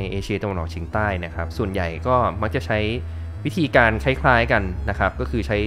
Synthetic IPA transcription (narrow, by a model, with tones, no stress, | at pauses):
jʔeː˧t͡ɕʰi˧t̪ɾwa˧nʔ̚ːt͡ɕʰiː˧ŋt̪aː˥˩jna˦˥kʰɾa˦˥p̚su˨˩ənja˨˩jkɔː˥˩ma˦˥k̚t͡ɕa˨˩t͡ɕʰa˦˥j | wi˦˥t̪ʰiː˧kaː˧nkʰa˦˥˩jkʰlaː˦˥jka˧nːa˦˥kʰɾa˦˥p̚kɔː˥˩kʰɯː˧t͡ɕʰa˦˥j